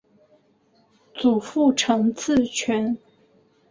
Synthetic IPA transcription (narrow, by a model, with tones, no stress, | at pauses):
t͡su˨˩fu˥˩ʈ͡ʂʰɤ˧˥ŋt͡sɹ̩˥˩t͡ɕʰɥɛ˧˥n